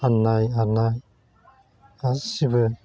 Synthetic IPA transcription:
anːajanaj | asibɯ

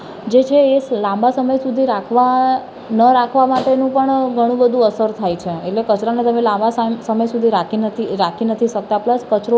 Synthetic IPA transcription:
d͡ʒet͡ʃʰeːlãmbasəməjsud̪ʱiɾakʰʋa | nəɾakʰʋamaʈenũpəɳɡʱəɽ̃ũbəd̪ʱũəsəɾt̪ʰajt͡ʃʰeeʈlekət͡ʃɾanet̪əmelãmbasasəməjsud̪ʱiɾakʰinət̪ʰiɾakʰinət̪ʰiʃək̚t̪apləskət͡ʃɾo

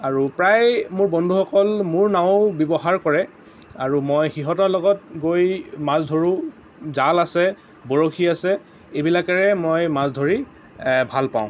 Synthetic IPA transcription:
aɹupɹajmʊɹbɔndʱuxɔkɔlmʊɹnãʊbjɔbɔɦaɹkɔɹɛ | aɹumɔjxiɦɔtɔɹlɔɡɔt̚ɡojmazdʱoɹu | zalasɛ | bɔɹokʰiasɛ | ebilakɛɹɛmɔjmazdʱoɹi | bʱalpa̰ʊ̃

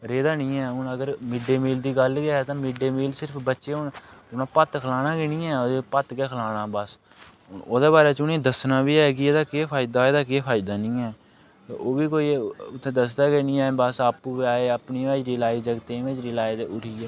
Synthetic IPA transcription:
ɾeːd̪aːnĩːɛːʊnəɡəɾmɪɖeːmiːld̪iːɡəlɡaːɛt̪ãːmɪɖeːmiːlsɪɾpʰbətːʃeːʊnʊnãːpət̪kʰəlaːnãːkenĩːɛːoːd̪epət̪ɡɛːkʰəlaːɽãːbəs | oːd̪eːbaːɾeːt͡ʃʊnẽːd̪əsnãːbiːɛːk̬ɪeːd̪aːkeːpʰaːɪd̪aːeːd̪aːkeːpʰaːɪd̪aːnĩːɛː | t̪eʔoːbiːkoːiːʊt̪ʰːẽːd̪əsd̪aːkenĩːaːebəsaːpuːbiaːeːəpniːaːiɾɪlaːid͡ʒəɡt̪ẽːʋɪ̃t͡ʃɾɪːlaːɪd͡ʒʊʈʰiːɛː

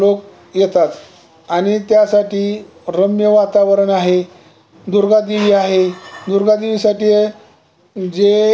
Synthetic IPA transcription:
lok̚ | jet̪at̪ | aɽ̃it̪jasaʈiː | ɾəmjəʋat̪aʋəɾəɳaɦe | d̪uɾɡad̪iʋiːaɦed̪uɾɡad̪iʋiːsaʈiːje | d͡ʑe

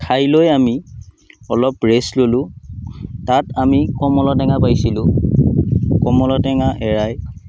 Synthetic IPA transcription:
kʰajlojami | ɔlɔpɹeslolʊ̃ | tatamikɔmɔlɔtɛŋapajsilʊ̃ | kɔmɔlɔtɛŋaʔɛɹaj

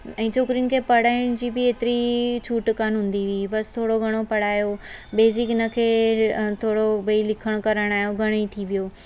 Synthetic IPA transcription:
ɛ̃ːt͡ɕʰoːkɾijʊ̃nɪ̆kʰepɐɽ̤aːɪɽ̃d͡ʑiːbɪeːt̪ɪɾit͡ɕʰuːʈkaːnũːn̆d̪iʋibɐst̪ʰoːɽoɡʱɐɽ̃opɐɽ̤aːjobeːsɪknəkʰeːt̪ʰoːɽobɐilɪkʰəɽ̃kɐɾəɽ̃aːɦijoɡʱɐɽ̃it̪ʰiʋijoː

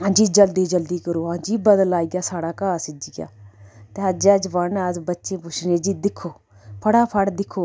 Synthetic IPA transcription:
ɦãːd͡ʒiːd͡ʒəld̪iːd͡ʒəld̪iːkəɾoːɦãːd͡ʒiːbəd̪əlaːiːɡjaːsaːɽaːkaːsɪd͡ʒiɡa̰ːt̪eːɦəd͡ʒɛːd͡ʒʋəɳəzbətːʃẽːpʊt͡ʃʰnẽːd͡ʒiːd̪ɪkʰːoː | pʰəɽaːpʰəɽd̪ɪkʰːoː

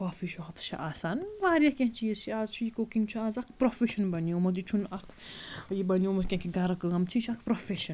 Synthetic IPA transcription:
kɔːfiʃɔɦɐpst͡ʃʰḭʔaːsaːnʋaːɾjɐkʲẽɦt͡ʃiːzt͡ʃʰiaːzt͡ʃʰujikokiŋɡt͡ʃʰuaːzɐkʰpɾofeʃɐnbɐniomɐd̪it͡ʃʰunɐkʰjibɐnijomɐɾkʲɐ̃kʰiɡɐɾɐkɨɐmt͡ʃʰit͡ʃʰɐkʰpɾofʰeʃɐn

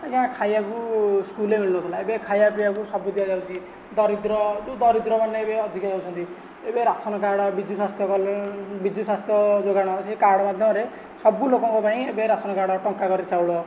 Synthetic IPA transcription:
kaãkʰajakuskulemilnut̪ʰɔlaebekʰajapijakusɔbud̪ijad͡ʒawt̪ʰi | d̪ɔɾid̪ɾɔud̪ɔɾid̪ɾɔmanːeebeɔd̪ʱikjad͡ʒawt͡ʃʰɔnt̪i | ebeɾasɔnɔkaɽɔbid̪ʱuswast̪ʰjɔkɔbid̪uswast̪ʰjɔd͡ʒoɡaɽ̃ɔseikaɽɔmad̪ʱjɔmɔɾe | sɔbulokɔŋkopaĩebeɾasɔnɔkaɽɔʈɔŋkaɡɔɾit͡ʃʰawɭɔ

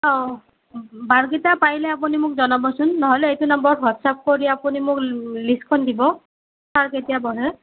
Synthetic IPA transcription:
ɔ | baɹkitapajlɛapunimʊk̚zɔnabɔsʊnːɔɦɔlɛejtunambɔɹwatsap̚koɹiapunimʊkliskʰɔndibɔ | saɹketijabɔɹɛ

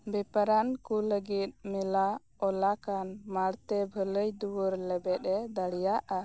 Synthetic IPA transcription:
bɛpaɾankuləɡit̪̚mila | ɔlakanmaɽt̪ɛbʱələjd̪uwəɾlɛbɛt̪ɛd̪əɽijaʔa

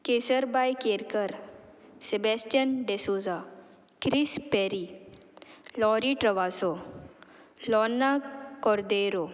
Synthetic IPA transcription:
kesəɾbajkeɾkəɾsebɛsʈjənɖesuːza | kɾispɛɾi | lɔɾiʈɾɐʋaːso | lɔnːakɔɾd̪eɾo

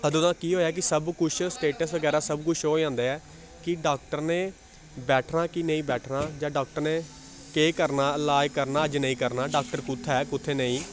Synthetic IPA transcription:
əd̪ʊd̪ãːkiːɦoːjaːk̬ɪsəbkʊt͡ʃʰsʈeːʈəsʋəɡɛːɾaːsəbkʊt͡ʃʰɦoːd͡ʒãːnd̪aːɛː | kɪɖaːk̚ʈəɾneː | bɛːʈʰnaːkinəĩːbɛːʈʰnaːd͡ʒãːɖaːk̚ʈəɾnẽː | keːkəɾnaːlaːjkəɾnaːəd͡ʒnəĩːkəɾnaːɖaːk̚ʈəɾkʊt̪ʰːɛːkʊt̪ʰːeːnəĩː

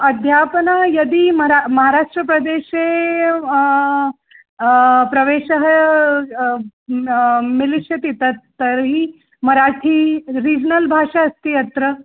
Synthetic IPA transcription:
ɐd̪ʱjaːpnajɐd̪imɐɾamɐɦaɾaːʂʈɾəpɾɐd̪eːʃe | pɾɐʋeːʃɐɦɐ | miliʃjɐt̪it̪ɐt̪ːɐɾɦi | mɐɾaːʈʰiɾiːd͡ʒnɐlbʱaːʂaɐst̪iɐt̪ɾə

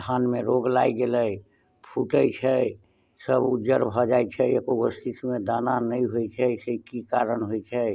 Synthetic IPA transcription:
t̪ʰanmeɾoɡlaiɡeləj | pʰuʈəjt͡ʃʰɛ | səbud͡ʒəɾbʱɔd͡ʒajt͡ʃʰɛekoɡəst̪ismed̪ananəĩɦojt͡ʃʰɛsekikaɾənɦojt͡ʃʰɛ

